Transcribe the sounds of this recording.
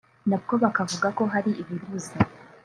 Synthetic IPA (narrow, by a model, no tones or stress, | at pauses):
nab̚ɡo̞βakavuɡako̞ɦaɾiiβiɾuze